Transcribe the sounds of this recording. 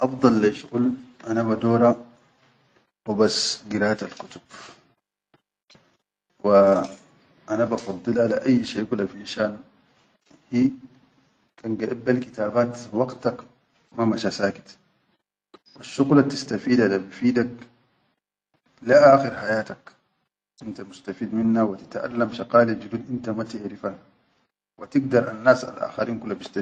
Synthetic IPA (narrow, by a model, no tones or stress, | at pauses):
ʔɑfd̪ˤɑlːaʃɣulʔanaβad̪oːɾa | wibasɡiɾaːat̪alkut̪u̥b̥̚ | wi | ʔanabɑfɑd̪ˤːɨlʔalaʔajːʃeːkulːafiʔnʃaːn | hiː | kanɡaʔabːalkit̪aːbaːt̪wɑɡt̪ak | mamaʃasaːki̥t̪ | waʃːuɣlat̪ist̪afiːd̪ad̪abifiːd̪ak | laʔaːxiɾħajaːt̪ak | ʔint̪amust̪afiːd̪minːawat̪ḁt̪ʔa̰lːamʃɑqaːlid͡ʒud̪uːd̪ʔint̪amat̪ɪʕɾifaːn | wat̪iɡd̪ɑɾˤʔanːaːsa̰lʔa̰ːxaɾiːnkulːabist̪a